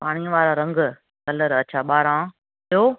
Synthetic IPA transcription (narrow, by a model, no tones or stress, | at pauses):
paːɽ̃iə̃ʋaːɾaːɾɐ̃ŋɡ | kɐləɾɐt͡ʃʰaːɓaːɾãː | oː